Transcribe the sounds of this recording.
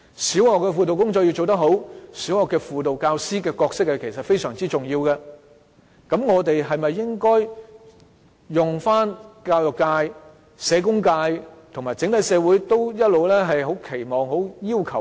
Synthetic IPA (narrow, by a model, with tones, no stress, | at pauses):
siː˨˥wɔː˨kːɛː˧fuː˨t̪̬o˨wkʊ˥ŋt͡sɔ˧kji˧wt͡so˨wt̪̬ɐ˥k̚ɦo˨˥wsiː˨˥wɔː˨kːɛː˧fuː˨t̪o˨wkaː˧wsiː˥kɛː˧kɔː˧k̚sɪ˥k̚hɐ˨˩kʰe˨˩jsɐ˨t̚fe˥jsœː˨˩ŋt͡siː˥t͡sʊ˨˩ŋjiː˧wkɛ˧ | kɐ˨˧˥mŋɔː˨˧t̪e˨jɦɐ˨jmɐ˨jːɪ˥ŋkɔː˥j | jʊ˨ŋfaː˥nkaː˧wjʊ˨kːaː˧j | sɛː˨˧k̬ʊ˥ŋkaː˧jt̪ʰʊ˨˩ŋmaː˨˩t͡sɪ˨˥ŋt̪ɐ˨˥jsɛː˨˧wuː˨˥jt̪o˥wjɐ˥t̚lo˨wlɛː˥ɦɐ˨jɦo˨˥wkʰe˨˩jmɔː˨˩ŋɦo˨˥wjiː˥wkʰɐ˨˩w